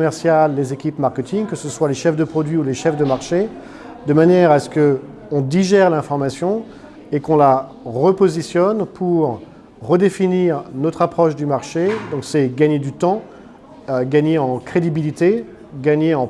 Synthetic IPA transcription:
mɛʁsjalːezekʲipmaʁkʲət̪iŋkəsəswaleʃɛfd̪əpχɔd̪ɥiuleʃɛfd̪əmaʁʃe | d̪əmanjɛʁasə̥kə | ɔ̃d̪iʒɛʁlɛ̃fɔʁmasjɔ̃ | ekɔ̃la | ʁəpozisjɔnpʰuʁː | əd̪efiniʁnɔt̪χapχɔʃd̪ymaʁʃed̪ɔ̃ksɛɡaɲed̪yt̪ɑ̃ | ɡaɲeɑ̃kχed̪ibilit̪e | ɡaɲeɑ̃

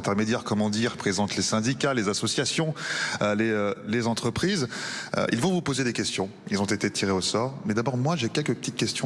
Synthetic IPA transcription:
t̪ɛʁmed̪jɛʁkɔmɑ̃d̪iʁpχezɑ̃t̪lesɛ̃d̪ikalezasɔsjasjɔ̃øleølezɑ̃t̪χəpχizø̰ʔilvɔ̃vupozed̪ekʲɛst̪jɔ̃ | ilzɔ̃t̪et̪et̪ʰiʁeosɔʁmɛd̪abɔʁmwaʒekʲɛlkəpə̥t̪it̪̚kʲɛst̪jɔ̃

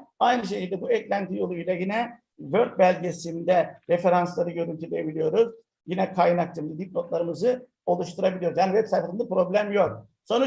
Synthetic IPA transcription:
ajnɯʃ̬ecilʲd̪ɛbuɛclʲænt̪ʰijo̞lˠujlʲajinɛ | vø̞ɾt̪̚bælʲɟe̞sind̪ɛɾefe̞ɾanslˠaɾɯɟø̞ɾynʲt̪ʰylʲejebilʲijo̞ɾuz̥ | jinɛkʰajnak̚t̪ʰɯmd̪ɯd̪ip̚lo̞t̪lˠaɾɯmɯzɯ | o̞lˠuʃt̪ʰuɾabilʲijo̞ɾuzjaːnivɛpsajfasɯnapɾo̞blʲæmjo̞k̚ | so̞nu

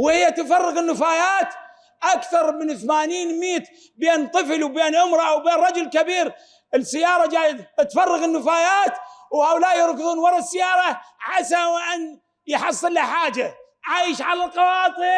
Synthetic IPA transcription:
whɪjːat̪ɪfɑrˤːɑɣɪnːɪfaːjaːt̪ | ʔakθɑɾˤmɪnθmaːniːnmiːt̪ | bjeːnt̪ˤɨflwbeːnʕʊmɾˤɑʔawbeːnrˤɑd͡ʒʊlkabiːɾ | ɪsːɪjːɑːɾˤɑd͡ʒaːjɪd̪t̪fɑrˤːɑɣɪnːɪfaːjaːt̪whaːʔʊlaːʔjɪɾˤkɪðˤuːnwɑɾˤɑsːɪjɑːɾˤɑʕasawʔan | jħɑsˤːɨlːaħaːd͡ʒa | ʕajʃʕalalqɑwɑːt̪ˤɨ

